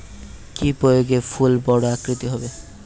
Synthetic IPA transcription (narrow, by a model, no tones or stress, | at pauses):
kipɾojoɡepʰulbɔɽoakɾit̪iɦɔbe